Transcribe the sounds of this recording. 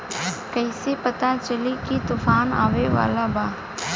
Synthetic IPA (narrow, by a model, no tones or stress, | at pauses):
kɐɪsepɐt̪at͡ʃəlikit̪ʊfaːna̰ːʋeʋa̰ːlabaː